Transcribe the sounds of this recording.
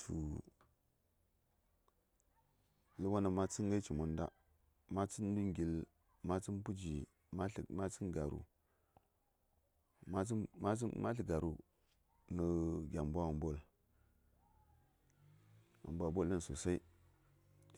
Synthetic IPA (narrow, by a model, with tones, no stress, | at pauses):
tʰṵ˨ | lə˦wa˦na˨ma˦t͡si˦ŋ˦ɡa˦t͡ʃi˨mu˨n˦da̰˦ | ma˦t͡si˦n˦du˦ŋ˨ɡi˨l | ma˦t͡si˦n˦pu˦d͡ʒi˨˦˨ | ma˦t͡si˦nɡa˨ɾṵ˨ | ma˦ma˦mʔa̰˦ɬi˨ɡa˨ɾu˨ | nə˨ɡʲa˨mbʷa˦a˨mbo˦˨l | a̰˨mbʷa˨bo˦lːə˦n˨so˨sa˦i˦